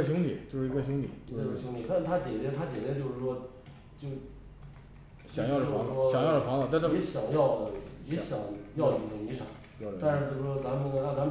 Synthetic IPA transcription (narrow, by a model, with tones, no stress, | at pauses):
ɕu˧˥ŋt̪ʰḭ˨˩˦t͡ɕjo˥˧ʂ̩˥˧˥ɕ̬ʊ˧˥ŋt̪ʰi˨˩˦ʂ̩˥˩ɕʊ˧˥ŋt̪ʰi˨˩t̪a˥˩t̪ʰa˥t͡ɕjɛ˨˩t͡ɕjɛ˥t̪ʰa˥t͡ɕjɛ˨˩t͡ɕjɛ˧˥t͡ɕjo˥˧ʊʂɻ̩˥˩ʂwɔ˥ | t͡ɕjo˥˧ʊ | t͡ɕjɑ˥˩˧ə˥o˩ɑ˧˥ŋ˩ʂwɔ˥ɕjɑ˨˩ŋjɑ˥˩ʊʈ͡ʂə˨˩fɑ˧˥ŋlə˧˥˩ɛ˧˥ɕjɑ˨˩ŋjɑ˥˩ʊd̪ə˩jɛ˧˥ɕjɑ˨˩˦ŋjɑ˥˩ʊ˨˩˥ʊ˧˩ŋi˧˥ʈ͡ʂʰɑ̰˨˩˦ŋ | t̪a˥˧nʂɻ̩˧t͡ɕjo˥˧ʊʂ̩˥˩ʂwɔ˥t͡sa˧˥mə˨n˧a˥˩t͡sa˥mə